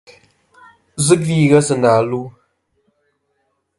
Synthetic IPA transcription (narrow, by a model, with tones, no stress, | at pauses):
zɨ˦kviː˦˨ɣə˦sɨ˨naː˨lu˦